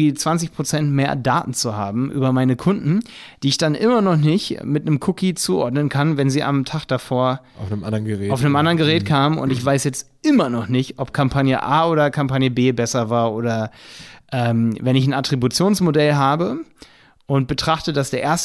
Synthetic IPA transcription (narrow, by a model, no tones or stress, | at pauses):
iːt͡sv̥ant͡sɪçpʁ̥ot͡sɛntmeːɐda̰ːtn̩t͡suhaːbm̩ʔy̰ːbɐmaɪnəkʰʊndn̩d̥iːɪçd̥anʔɪmɐnɔχnɪçmɪtnəmkʰʊkit͡suːʔɔ̰ɐdnənkʰanvɛnziːʔa̰mtʰaːχd̥afoːɐ | afnəmʔandɐnɡəɛaʊfnəmʔandɐənɡəʁ̞ɛːt̚kʰaːmənʊ̰ntɪçv̥aɪsjɛt͡st | ʔɪmɐnɔχnɪçtʔɔp̚kʰampʰanjə̰ʔaːʔoːɾɐkʰampanjəbeːbɛsɐvaːɐʔoːɾɐʔɛːmvɛnɪçn̩atʁ̥ibut͡sjoːnsmodɛlɦaːbə | ʔʊnt̚b̥ətʁ̥aχtədasd̥eːɐʔeːɐst